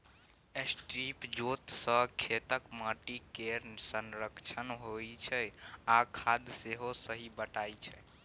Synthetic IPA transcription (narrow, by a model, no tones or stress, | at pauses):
esʈɾipd͡ʒot̪səkʰet̪əkməʈikesənɾəkt͡ʃʰənɦojt͡ʃʰɛakʰad̪seɦosəɦibəʈajt͡ʃʰɛ